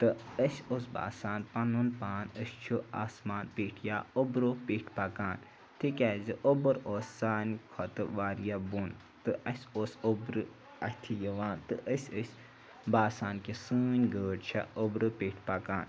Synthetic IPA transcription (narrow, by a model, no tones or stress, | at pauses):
t̪ɨəsʲosba̰ːsaːnpɐnunpaːnəsʲt͡ʃʰua̰ːsmaːnpiːʈʰjaːobɾoːpiːʈʰpɐkaːn | t̪ʰikʲɛːzɨʔobɨɾoːsʲsaːnkʰɔt̪ɨʋaːɾjabun | t̪ɨʔɐsʲoːsobɾɨ | ɐt̪ʰijəʋaːnt̪ɨʔəsʲəsʲ | baːsaːnkisɨːnʲɡəːɖt͡ʃʰɐ̰obɾɨpiːʈʰpɐkaːn